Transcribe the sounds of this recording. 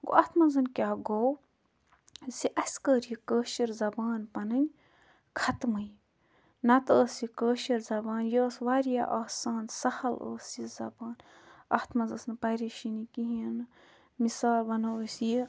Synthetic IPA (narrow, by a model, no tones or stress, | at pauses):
ɡo̰ʔɐt̪ʰmɐnzɐnkʲaːɡow | siʔɐsʲkəːɾjikəːʃiɾzɐbaːnpɐnɨnʲ | kʰɐt̪mɨj | nɐt̪əːsikəːʃiɾzɐbaːnjoːsʋaːɾja̰ʔaːsaːnsɐhɐlə̰ːsizɐ̰baːn | ɐt̪mɐzɐsnpɐɾiʃinikiɦiɐn | misaːlbɐnosji